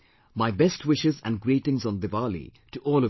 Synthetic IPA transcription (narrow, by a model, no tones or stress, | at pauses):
maɪbɛstwɪʃɪzæ̰̃nɡɾiːʈɪ̃ŋzɔ̃nd̪ɨvalḭ | ʈuʔɔːlʌ